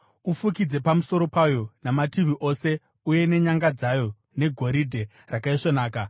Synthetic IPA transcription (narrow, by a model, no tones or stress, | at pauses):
ufukid͡ze̞pamuso̞ɾo̞pajo̞namatiʋiʔo̞se̞ | uje̞ne̞ɲaŋɡad͡zajo̞ | ne̞ɡʱo̞ɾidʱe̞ | rakaiʂonaːka